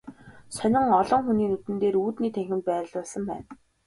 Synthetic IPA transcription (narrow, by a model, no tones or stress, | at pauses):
sœnʲɪ̆ŋɔɮɞ̆ŋxuniːnut̪ɘ̆nt̪eːɾuːt̪niːt̪ʰæŋxʲɪ̆nt̪̚pæːɾə̆ɮʊɮsə̆mpæ̰ːn